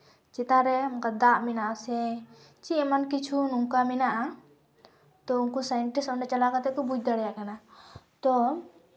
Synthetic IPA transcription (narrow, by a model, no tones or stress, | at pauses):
t͡ʃit̪aɾɛɔŋkad̪aʔminaʔsɛ | t͡ʃiɛmankit͡ʃʰunuŋkaminaʔa | t̪ɔuŋkusajɛɳʈisɔɳɖɛt͡ʃalakat̪ɛkɔbud͡ʒ̚d̪aɽɛjaʔkanat̪ɔ